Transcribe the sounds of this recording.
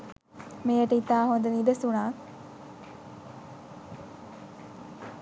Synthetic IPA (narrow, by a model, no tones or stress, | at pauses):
meːjəʈəit̪aːɦond̪ənidəsuɳaː